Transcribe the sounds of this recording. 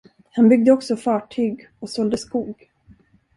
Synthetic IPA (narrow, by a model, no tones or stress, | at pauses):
hanbʏɡ̚d̪əɔksɔfɑːʈʰyːɡ | ɔsɔld̪əskuːɡ